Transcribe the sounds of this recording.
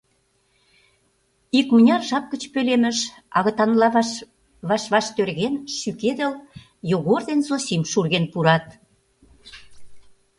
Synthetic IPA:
ikmunʲɑrʒɑp̚kə̆t͡ɕpølemə̆ʃ | ɑ̰ɣə̆t̪ɑnlɑ | βɑʃβɑʃt̪ørɣenʃyked̪ə̆l | joɣord̪enzosimʃurɣenpuɾɑt̪̚

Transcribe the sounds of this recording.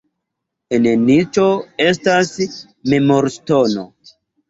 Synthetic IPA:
enenit͡ʃo̞e̞stas | me̞moɾstono

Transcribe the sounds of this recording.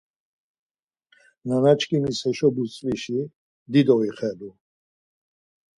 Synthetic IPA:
nanat͡ʃʰkʼinishɛʃɔbut͡sʼliʃi | d̪id̪ɔiχɛlu

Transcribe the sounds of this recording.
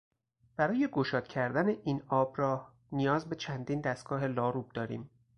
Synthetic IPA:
b̥æɾɒːje̞ɡoʃɒːt̪cʲʰæɾd̪æne̞ʔiːnɒːbɾɒː | nijɒːzbe̞t͡ʃʰænd̪iːnd̪æst̪̚ɡ̥ɒːɦe̞lɒːɾub̚d̪ɒːɾḭːm

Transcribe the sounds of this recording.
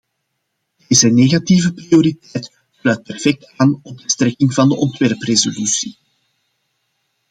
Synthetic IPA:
d̥eːzəneːɣativəprioɾitɛjt | slœːt̚pɛrfɛk̚taːnɔb̚dəst̪ɾɛkɪŋvɑndəʔɔntʋɛrprezolysi

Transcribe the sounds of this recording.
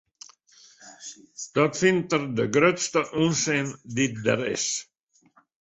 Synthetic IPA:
d̪̥ɔt̪fɪnt̪əɾd̪əɡɾøt̪st̪əʔunsend̪it̪̚d̪æ̰ɾɪ̰s

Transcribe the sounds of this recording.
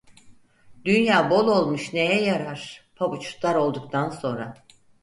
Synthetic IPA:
d̪ynjaːbo̞lˠo̞lˠmuʃne̞jɛjaɾaɾ̥pʰabut͡ʃʰu̥t̪lˠaɾo̞lˠd̪uk̚t̪ʰanso̞nɾa

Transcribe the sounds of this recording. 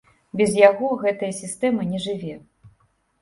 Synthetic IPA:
bʲɛzjaɣɔɣɛt̪ɐjɐsʲist̪ɛmɐnʲɛʐɨvʲɛ

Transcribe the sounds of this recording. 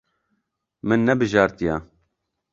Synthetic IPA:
mɨnːɛbɨʒɑːɾt̪ijɑ

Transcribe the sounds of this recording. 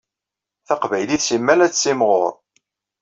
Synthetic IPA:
θɑqvæjliθsimːælæt͡st͡sːimʁo̰ɾˤ

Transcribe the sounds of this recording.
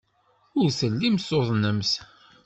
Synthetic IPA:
ʊɾsəlːimsoðˤnəms

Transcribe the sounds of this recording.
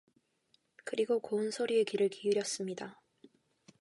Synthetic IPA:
kɯɾiɡokoɯnsʰoɾie̞kiɾɯɭkiuɾjʌs͈ɯmɲida

